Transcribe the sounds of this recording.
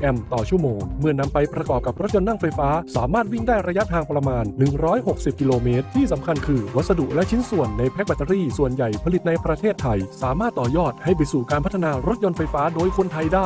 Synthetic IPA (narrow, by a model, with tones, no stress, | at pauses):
ʔɛ˧mt̪ɔː˨˩t͡ɕʰu˥˩əmoː˧ŋmɯ˥˩əna˧mpa˧jpɾa˧kɔː˨˩p̚ka˨˩p̚ɾo˦˥jo˧nːa˥˩ŋfa˧jfaː˦˥saː˩˦maː˥˩t̪̚wi˥˩ŋdaː˥˩ɾa˧ja˦˥t̪ʰaː˧ŋpɾa˧maː˧nːɯ˨˩ŋɾɔː˦˥jɦo˨˩k̚si˨˩p̚ki˧loː˧meː˦˥t̪̚ʰːiː˥˩sa˩˦mkʰa˧nkʰɯː˧wa˦˥t̪̚sa˧du˨˩ʔ̚lɛ˦˥ʔt͡ɕʰi˦˥nsu˨˩ənːa˧jpʰɛ˦˥k̚ba˧t̪ːa˧ɾiː˥˩su˨˩ənja˨˩jpʰa˧li˨˩t̪̚na˧jpɾa˧t̪ʰeː˥˩t̪ʰːa˧jsaː˩˦maː˥˩t̪ːɔː˨˩jɔː˥˩t̪̚ha˥˩jp̬a˧jsuː˨˩kaː˧npʰa˦˥t̪ʰːa˧naː˧ɾo˦˥t̪̚jo˧nfa˧jfaː˦˥doː˧jkʰo˧nt̪ʰa˧jdaː˥˩j